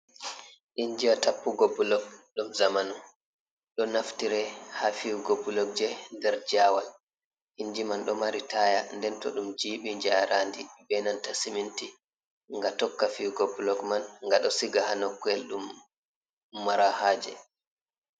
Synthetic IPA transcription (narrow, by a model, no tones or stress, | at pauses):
ʔiɲd͡ʒiwatapːuɡɔbulɔkɗumzamanu | ɗɔnaftiɾɛhafiwɡobulɔk̚d͡ʒɛndɛɾd͡ʒawal | ʔiɲd͡ʒimanɗɔmaɾitajandɛntɔ̰ɗumd͡ʒiːɓiɲd͡ʒaaɾaːndibɛnantasiminti | ŋɡatɔkːafiwɡɔbulɔkmanŋɡaɗɔsiɡahanɔkːɔɛlɗum | aɾahaːd͡ʒɛ̰